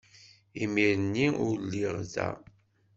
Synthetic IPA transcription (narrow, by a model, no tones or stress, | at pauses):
imiɾənːiʊɾlːiʁzæ̰